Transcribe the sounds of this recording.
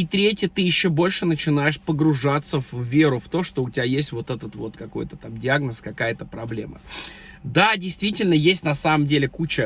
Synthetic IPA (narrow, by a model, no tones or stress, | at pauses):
ɪt̪ɾʲetʲjət̪ɨjɪɕːobo̞lʲʂɨnət͡ɕɪn̪ajɪʂpəɡɾʊʐat̪səvːʲe̞ɾʊft̪o̞ʂt̪o̞ʊtʲɪbʲajesʲtʲvo̞t̪ɛt̪ət̪vo̞̰t̪kɐko̞̰jt̪ət̪amdʲɪaɡnəskɐkajət̪əpɾɐblʲe̞̰mə̰ | d̪adʲɪjst̪vʲitʲɪlʲnəjesʲtʲnɐsaməmdʲelʲɪkut͡ɕə